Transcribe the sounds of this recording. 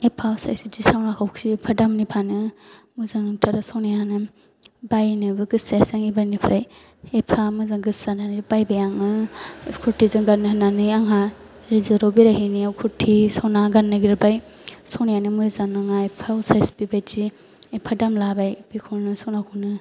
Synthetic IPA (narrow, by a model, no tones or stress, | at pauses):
epʰawsa̰jsitisawnakʰawksipʰadamnipʰanɯ | muzaŋtʰaɾasonijanɯ | bajnɯbɯɡɯsasaŋibajnipʰɾʔaj | epʰamuzaŋɡɯsananibajbajaŋnɯkʰuɾtʰizɯŋɡanːhnːanɯjaŋɦa | ɾizaɾobiɾaɦiniawkʰuɾtʰːisonaɡanːaɡiɾɯbaj | sownijanɯmuzaŋnaŋaepʰawsajspibajzi | epʰadamlabajb̥ikʰonɯsawnakʰawnɯ